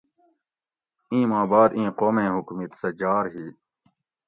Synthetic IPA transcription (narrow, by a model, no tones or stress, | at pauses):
ĩːmaːbaːd̪ĩːqoːmẽːɦukmit̪sɐd͡ʑaːɾɦiː